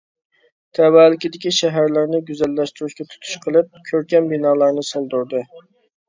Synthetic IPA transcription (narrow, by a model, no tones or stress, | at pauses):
t̪ʰɛwæːlɪkʲid̪ɪkʲiʃɛɦæɾlɪɾnɪɡʲyzɛlːɛʃt̪yɾuʃkʲɛt̪ʰu̥t̪ʰu̥ʃqʰəlˠɨp̚kʲʰøɾkʲɛnbinɑːlˠɑɾnɨsolˠd̪uɾd̪ɨ